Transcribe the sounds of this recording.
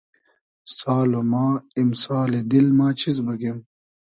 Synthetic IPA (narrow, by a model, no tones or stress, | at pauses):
saːlomaːimsaːled̪ilmaːt͡ɕʰizbɐkem